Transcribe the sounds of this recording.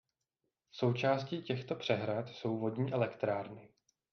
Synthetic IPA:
so̞wt͡ʃaːsciːcɛxt̪o̞pr̝̥ɛɦɾat̪so̞wvo̞dɲiːʔɛlɛkt̪ɾaːɾnɪ

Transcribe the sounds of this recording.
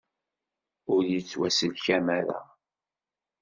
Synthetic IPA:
ʊɾjət͡sːwæsəlçæmæɾæ̰

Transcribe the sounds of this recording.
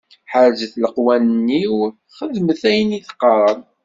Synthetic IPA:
ħəɾzəθləqwænənːiw | χəðməθæjəniθə̥qːɑɾˤən

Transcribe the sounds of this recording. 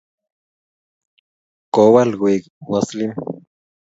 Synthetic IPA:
kowalɣʷik | waslim

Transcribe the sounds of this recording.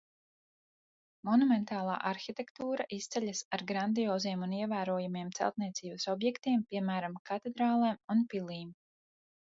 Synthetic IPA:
mɔnumɛnt̪aːlˠa̰ːʔaɾxit̪ɛkt̪uːɾaʔist̪sɛʎʲasaɾɡɾand̪iɔːziɛmuniɛvæːɾuɔjumiɛmt̪sɛ̰lˠt̪̚niɛt̪siːbɐsɔbjɛkt̪iɛmpiɛmæːɾamkʰat̪ɛd̪ɾaːlˠɛmunpilˠiːm

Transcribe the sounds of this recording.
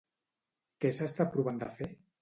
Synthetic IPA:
kesast̪apɾuβand̪a̰fe

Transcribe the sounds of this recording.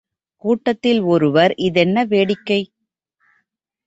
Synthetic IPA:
kuːʈːɐt̪ːɪlɔɾɯʋɐɾʔɪðɛnːɐʋeːɽɪkːɐɪ

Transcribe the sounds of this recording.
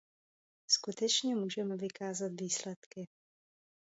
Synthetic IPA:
skut̪ɛt͡ʃɲɛmuːʒɛmɛvɪkʰaːzat̪viːslɛt̪kɪ

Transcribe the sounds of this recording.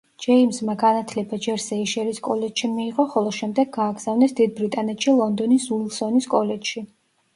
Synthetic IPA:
d͡ʒɛimzmaɡanat̪ʰlɛbad͡ʒɛɾsɛiʃɛɾiskʼɔlɛd͡ʒʃimiːʁɔχɔlˠɔʃɛmd̪ɛɡɡaːɡz̥avnɛsd̪id̪̚bɾit̪ʼanɛt̪ʃilˠɔnd̪ɔnisulˠsɔniskʼɔlɛd͡ʒʃi

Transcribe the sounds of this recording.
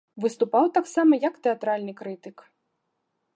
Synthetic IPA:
vɨst̪upawt̪aksamɐjɐkt̪ɛat̪ɾalʲnɨkɾɨt̪ɨk

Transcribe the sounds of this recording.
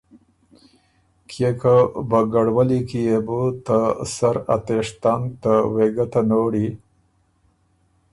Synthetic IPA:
kʰjekəbaɡaɽwalikijebut̪asaɾa̰t̪eʂt̪ant̪aweɡat̪anoɽi

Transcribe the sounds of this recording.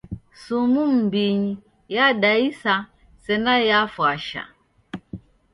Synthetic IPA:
sumum̩biɲi | jadaisa | sɛnajafwaʃa̰

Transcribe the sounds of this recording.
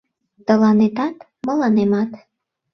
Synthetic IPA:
t̪ə̆lɑnet̪ɑt̪ | mɤ̆lɑnemɑt̪

